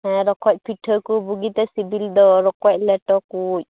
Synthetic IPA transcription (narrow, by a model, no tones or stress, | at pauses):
ɛɾɔkɔc̚piʈʰəkubuɡit̪ɛsibildɔɾɔkɔc̚lɛʈɔkuc̚